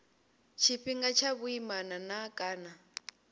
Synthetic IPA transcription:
t͡ʃʰiɸiŋɡat͡ʃʰaβuimananakʼaːna

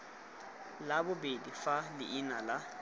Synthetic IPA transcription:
labʊbedifalɪʔːnala

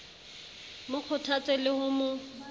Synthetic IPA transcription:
mʊq͡χʰʊtʰat͡sʼelɪhʊmʊ

